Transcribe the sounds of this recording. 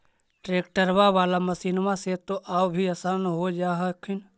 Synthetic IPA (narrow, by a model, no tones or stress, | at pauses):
ʈɾeːkʈəɾʋaʋaːlaməsiːnmãset̪oʔaːwbʱiəsənɦod͡ʒaːɦəkʰɪn